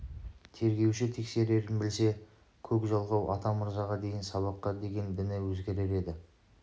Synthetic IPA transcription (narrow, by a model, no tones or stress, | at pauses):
t̪ʰe̞ɾɡʲe̞wʃɪt̪ʰe̞kse̞ɾe̞ɾɪnbɪlse̞ | kʲʰɵkʒɑlˠʁɑwʔɑ̰t̪ɑmʊɾzɑʁɑd̪e̞jɪnsɑβɑqːɑd̪e̞ɡʲe̞nd̪ɪnɪwɵzɡʲe̞ɾe̞ɾe̞d̪ɪ